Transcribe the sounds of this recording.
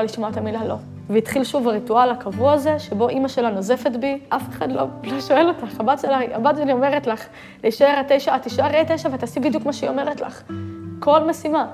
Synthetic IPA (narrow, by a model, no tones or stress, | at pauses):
aliʃmoat̪amilalo̞ | veit̪χilʃuvaʁitualakavuaːze̞ʃebo̞ʔimaʃe̞lanoze̞fe̞t̪biʔafeχadlo̞̰loʃoe̞lo̞taχhabatʃelaia̰bateliome̞ʁetlaχ | leʃeʁat̪e̞jʃaːt̪iʃaʁejtejʃaveat̪aːsibid̪jukmaʃeiome̞ʁetla̰χko̞lmesima